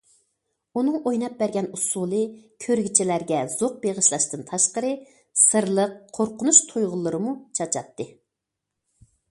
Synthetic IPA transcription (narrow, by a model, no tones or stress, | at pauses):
unɨŋojnɑp̚bæɾɡʲɛnusulˠɨkʲʰøɾɡʲit͡ʃʰɛlæɾɡʲɛz̥oq̚beʁəʃlˠɑʃt̪ɨnt̪ʰɑʃqəɾɨ | sɨɾlˠəqʰːoɾqʰʊnuʃt̪ʰujʁʊlˠːɨɾɨmut͡ʃʰɑt͡ʃʰɑt̪ʰːɨ